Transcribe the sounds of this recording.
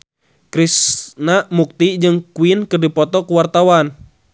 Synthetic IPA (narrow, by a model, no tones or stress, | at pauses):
kɾisnamuk̚t̪id͡ʒɨŋkuinkɨrdipɔt̪ɔkuwart̪awan